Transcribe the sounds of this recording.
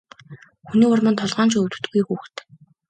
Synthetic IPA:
xuniːʊrmə̆nt̪ʰɔɮʁaːnt͡ɕʰiɵwt̪ɘ̥̆t̪ɡujxuːxt̪

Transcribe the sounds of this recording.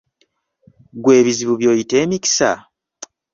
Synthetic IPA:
ɡwe̞ːβiziβuβjo̞ːjite̞ːmiki̥sa̰

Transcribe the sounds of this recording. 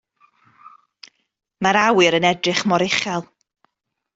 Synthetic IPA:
maɾawɨɾənɛdrɨχmɔɾɪχɛlˠ

